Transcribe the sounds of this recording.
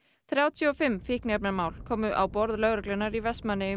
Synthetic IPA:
θɾjaːwt̪ʰjʏɔfɪmːfɪhknɛpnaɾmaːwlkʰɔːmʏʔawpɔɾðlœːɣɾɛklɛnːaɾivɛst̪manːɪʏ

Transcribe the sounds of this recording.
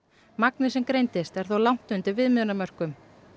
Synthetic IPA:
maknɪsɛmkɾejnt̪ɪst̪ɛɾ̥θowlawŋ̥t̪ʏnt̪ɪvɪðmʏnamœr̥kʏm

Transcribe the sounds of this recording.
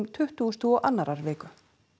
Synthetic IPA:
mt̪ʰʏht̪uːst̪ʰuɔʔa̰nːaɾaɾvɪːkʏ

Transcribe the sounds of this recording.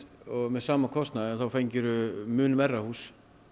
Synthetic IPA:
ɔɣmɛðsaːmakʰɔst̪naðɪanθawfejɲcɪɾʏmʏːnvɛrːahuːs

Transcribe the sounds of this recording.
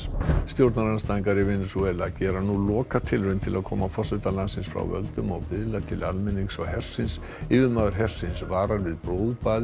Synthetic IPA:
st̪jowɾt̪naɾanst̪aːiŋkaɾɪvɪnːʏsuɛlacɛːɾanulɔːkat̪ʰɪlrʏnt̪ʰɪlʔaðkʰɔ̰ːmafɔr̥sɛt̪alansɪnsfɾa̰wvœ̰lt̪ʏma̰wpɪðlat̪ʰɪla̰lmɪnːiŋksɔhɛr̥sɪns | ɪːvɪðmaːðʏɾ̥ɦɛr̥sɪnsvaːɾaɾvɪðpɾowðpaːð

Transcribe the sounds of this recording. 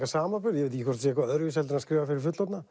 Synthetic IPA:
kasaːmafʏɾjɛvɪlt̪ihkʰvɔst̪s̬jɛkvaœðɾvɪsɛlt̪ɪnaskɾɪːvafɪɾɪɾ̥fʏt̪lɔt̪na

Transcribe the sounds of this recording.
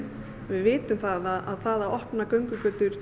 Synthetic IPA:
vɪðvɪːt̪ʏmθaðaðaðθaðaðɔhpnakœɥŋkʏkœːt̪ʏɾ̥

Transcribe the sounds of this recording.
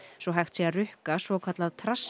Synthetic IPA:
svɔɦajxt̪siarʏhkasvɔkʰat̪laðt̪ʰɾas

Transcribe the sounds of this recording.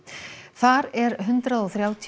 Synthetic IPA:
θaɾɛɾɦʏnt̪ɾaðɔθɾjaːwt̪ʰ

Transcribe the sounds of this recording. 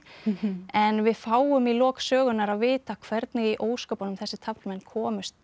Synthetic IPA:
ɛnvɪðfaːwʏmilɔːksœːɣʏnaɾaðvɪːt̪akʰvɛɾt̪nɪɣiʔoːwskawpanʏmθɛsːɪt̪ʰaplmɛnːkʰɔːmʏst̪

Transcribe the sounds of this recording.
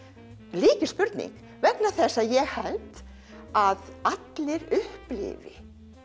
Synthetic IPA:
liːcɪspʏɾt̪nḭŋk | vɛknaθɛsːajɛɣhɛlt̪ | aðat̪lɪɾʏhplɪ̰vɪ̰

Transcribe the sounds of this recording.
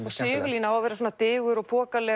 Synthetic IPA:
sɪːɣʏliːnaawavɛːɾasɔːnat̪ɪːɣʏɾɔɣpʰɔːkalɛ

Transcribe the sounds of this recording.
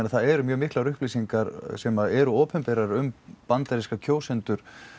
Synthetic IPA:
naθaðɛɾʏmjœːɣmɪhklaɾʏhpliːsiŋkaɾsɛmaɛɾʏɔːpɛmpɛːɾaɾʏmpant̪aɾiskacʰoːwsɛnt̪ʏɾ̥

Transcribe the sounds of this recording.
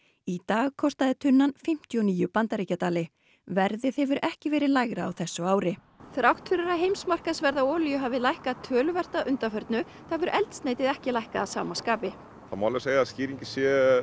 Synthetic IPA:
it̪aːɣkʰɔst̪aðɪt̪ʰʏnːanfɪm̥t̪ʰjɔniːjʏpant̪aɾiːcat̪aːlɪ | vɛɾðɪθɛvʏɾʔɛhcɪvɛːɾɪðlajɣɾaːwθɛsːʏaːwɾɪ | θɾawht̪fɪɾɪɾaɦejmsmar̥kasvɛɾðaɔːljʏɦavɪlajhkat̪ʰœːlʏvɛr̥t̪aʔʏnt̪afœɾt̪nʏ | θavʏɾʔɛlt̪sneːjt̪ɪðɛhcɪlajhkaːsa̰ːmaskaːpɪ | θamawlɛseːjaðsciːɾiɲcɪsjɛ

